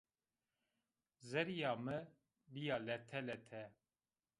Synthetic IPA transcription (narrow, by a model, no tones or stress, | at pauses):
zɛɾijɑːmɨ | bijɑːlɛt̪ʰɛlɛt̪ʰɛ